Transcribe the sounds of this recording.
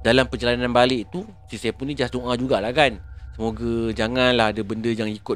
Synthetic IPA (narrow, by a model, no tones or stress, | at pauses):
dalampərd͡ʒalananbalɪʔt̪u | sisepunːĩd͡ʒatuŋʔãd͡ʒuɡaʔlakansəmoɡad͡ʒaŋãnlaɦadabəndəjaŋikʊ